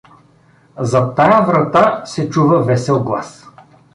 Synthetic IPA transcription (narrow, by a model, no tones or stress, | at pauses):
zɐt̪ːajəvɾɐt̪asɛt͡ʃuvəvɛsɛlˠɡlˠa̰s